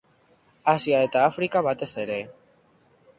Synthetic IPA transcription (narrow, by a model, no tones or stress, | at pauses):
asiae̞t̪aːfɾikaβat̪e̞se̞ɾe̞